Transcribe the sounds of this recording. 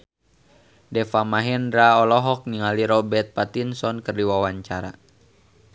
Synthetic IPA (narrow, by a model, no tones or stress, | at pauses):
dɛfamaɦɛndɾaɔlɔɦɔk̚niŋaliɾɔbɛrt̪̚pat̪insɔnkɨrdiwawaɲt͡ʃaɾa̰